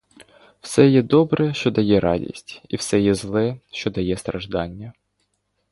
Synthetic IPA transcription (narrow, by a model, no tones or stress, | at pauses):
w̥sɛjɛd̪ɔbɾɛʃt͡ʃɔd̪ɐjɛɾɑ̰dʲḭsʲtʲiwsɛjɛzlˠɛʃt͡ʃɔd̪ɐjɛst̪ɾɐʒd̪ɑnʲːɐ